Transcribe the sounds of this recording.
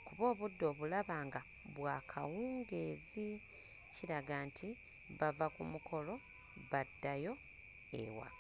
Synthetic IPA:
kuβo̞ːβudːo̞ːβulaβaːŋɡa | βwaːkʰawuːŋɡe̞ːzi | ciɾaɡaːnti | βavakumukʰo̞lo̞ | βadːajo̞ | ḛwa̰

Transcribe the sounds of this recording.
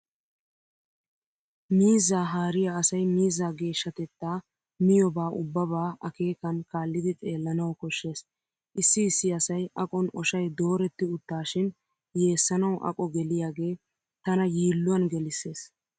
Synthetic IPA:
miːzaːɦaːɾɪjaɐsɐjmiːzaːɡe̞ːʃːɐt̪ɛt̪ːaː | mɪjɔbaːʔʊ̰bːɐbaːʔɐke̞ːkɐnkaːlːɪd̪ɪt͡sʼe̞ːlːɐnɐwkɔʃːe̞ːs | ʔɪsːɪɪsːɪɐsɐjɐkʼɔnɔʃɐjd̪o̞ːɾɛt̪ːɪʊt̪ːaːʃɪn | je̞ːsːɐnɐwʔɐ̰kʼɔɡɛlɪjaːɡe̞ː | t̪ɐnɐjiːlːʊwɐnɡɛlɪsːe̞ːs

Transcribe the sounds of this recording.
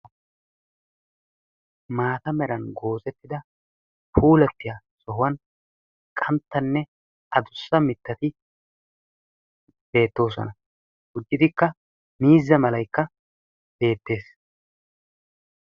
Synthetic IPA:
maːt̪ɐmɛɾɐnɡo̞ːzɛt̪ːɪd̪ɐ | pʰuːlɛpːɪjaːsɔɦʊwɐn | kʼɐnt̪ːɐnːɛ | ʔɐd̪ʊsːɐmɪt̪ːɐt̪ɪ | b̥e̞ːt̪ːo̞ːsɔ̰nɐ | ɡ̥ʊd͡ʒːɪd̪ɪkːɐ | miːzːɐmɐlɐjkːɐ | b̥e̞ːt̪ːe̞ːs

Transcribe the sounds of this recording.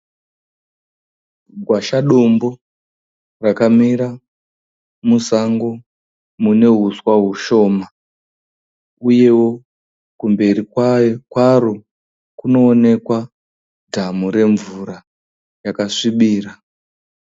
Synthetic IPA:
ɡʱwaʃaɗombo̞ | rakamiɾa | musaŋɡo̞ | mune̞ɦuswaɦuʃo̞ːma | uje̞wo̞ | kumbe̞rikwakwaro | kuno̞ːne̞kwa | dʱamuɾe̞ɱvuɾa | jakaʂiɓiːra

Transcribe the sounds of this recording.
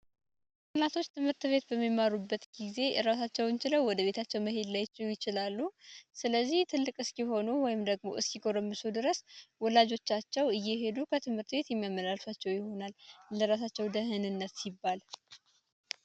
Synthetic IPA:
mat̪ʰo̞t͡ʃːt̪ʰɨmhɨɾt̪βe̞t̪bəmːimaɾubːət̪ɡize̞ɾas̬at͡ʃːɛwɨnt͡ʃɪləwwɔd̪əβe̞t̪ʰat͡ʃːɛwməɦe̞d̪lajt͡ʃːɛwjɪt͡ʃɪlalːusɨləzːiht̪ʰɨlːɨkʼɨskiɦo̞nuwɔjɪmd̪əɡmo̞̰ʔɨskiɡoɾəmːɨsud̪ɨɾəswɔlad͡ʒo̞t͡ʃːat͡ʃːɛwɨjːɛɦe̞d̪ukʰət̪ʰɨmhɨɾt̪be̞t̪jɛmːjamːəlalsat͡ʃːɛwjɪho̞nalləɾas̬at͡ʃːɛwd̪əɦɨnɨnːət̪sibːal

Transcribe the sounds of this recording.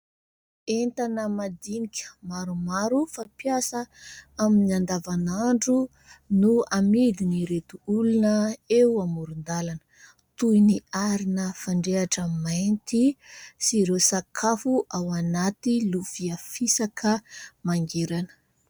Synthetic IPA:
ent̪anəmad̪inikʲə̥maɾumaɾufapjasəaminand̪avanaɳɖ͡ʐu | nuamid̪iniɾet̪uulunəewamuɾund̪alanə̥ | t̪ujniaɾinəfaɳɖ͡ʐeaʈ͡ʂəmajnt̪isiɾesakʰafuʔawanat̪ilufiafisakʰəmaŋɡeɾanə̥

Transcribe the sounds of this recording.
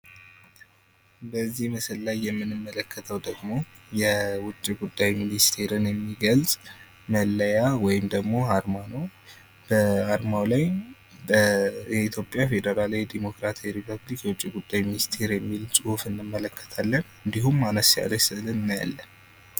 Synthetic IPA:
bəzːihməsəllajːɛmːɨnɨmːələkʰːət̪ʰəwd̪əɡmo̞ | jɛwʊt͡ʃʼːiɡud̪ːajminist̪ʰe̞ɾɨnjɛmːiɡəlsʼ | məlːəjawɔjɪmd̪əɡmo̞haɾmanow | b̥əaɾmawlaj | əɛit̪ʰjo̞pʼjafe̞d̪əɾalawjd̪imo̞kɾat̪ʰajɾipʰəblikjɛwʊt͡ʃʼːiɡud̪ːajminist̪ʰe̞ɾjɛmːilsʼɨhufɨnːɨmːələkʰːə̥t̪ʰalːənɨnd̪iɦumːanəsja̰ləsɨlɨnɨnːja̰lːən

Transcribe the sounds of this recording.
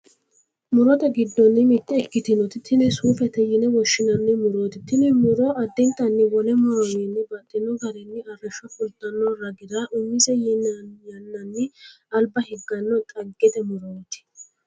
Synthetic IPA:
mʊɾɔt̪ɐɡɪd̪ːɔnːɪmɪt̪ːɛːkːɪt̪ɪnɔt̪ɪt̪ːɪnɛsuːfɛt̪ɛjɪnɛwɔʃːɪnɐnːɪmʊɾoːt̪ɪt̪ːɪnɛmʊɾɔʔɐd̪ːɛnt̪ːɐnːɪwɔlɛmʊɾɔnɛnːɪbɐt̪ːɪnːɔɡɐɾɛnːɪɐrːɐʃːɔfʊlt̪ʼːɐnːɔrɐɡɪd̪aʔʊmːɪsɛjɪnjɐnːɐnːɪ | ɐlbɐhɛɡːɐnːɔt̪ʼɐɡːɛt̪ɛmʊɾoːt̪ɪ̥

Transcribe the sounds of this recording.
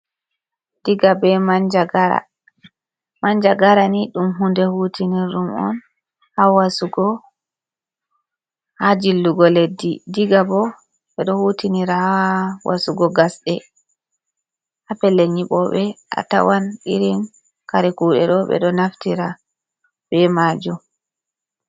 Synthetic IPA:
d̥iɡabɛmand͡ʒaɡaɾa̰ | maɲd͡ʒaɡaɾaniɗumɦundɛhuːtiniɾumɔ̰n | hawasuɡɔ | had͡ʒilːuɡɔledːidiɡabɔ | ɓɛɗɔhutiniɾahawa̰suɡɔɡasɗɛ | hapɛlːeɲiɓɔɓɛʔa̰ta̰wanɗiɾin | kaɾiɛkuːɗɛ̰ɗɔɓɛ̰ɗɔnaftiɾa | bɛmaːd͡ʒu

